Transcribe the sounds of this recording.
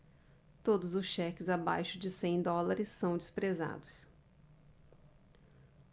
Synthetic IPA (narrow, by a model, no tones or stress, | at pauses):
t̪od̪ʊzʊsʃɛkɪzaba̰jʃʊd͡ʒɪsẽj̃d̪ɔlaɾɪsːɐ̃w̃d͡ʒɪspɾeza̰d̪ʊs